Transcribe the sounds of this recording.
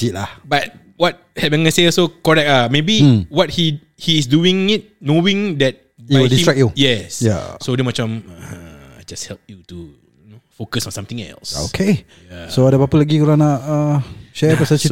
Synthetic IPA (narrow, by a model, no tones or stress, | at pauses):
itlahbat̚ | wɔt̚hɛpə̃nŋɡaseɔsokɔɹɛk̚amebiwɔt̚hi | hiːs̬duĩŋit̚noĩŋdɛt̚ | bwdisĩɹɛk̚jujɛsja̰sodɛmat͡ʃãməad͡ʒashɛlp̚jutu | nofokəsɔ̃nsãmt̪ĩŋɛ̰lso̰kʰe | jasoadapapəlaɡikuɾãnaʔəʃɛpasət͡ʃi